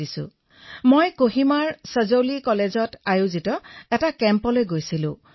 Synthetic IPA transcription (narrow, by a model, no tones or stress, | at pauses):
isʊ̰̃ | mojkoɦimaɹsəzowlikɔlezɔtajuzitɔɛtakɛmpɔlojɡojsilʊ̰̃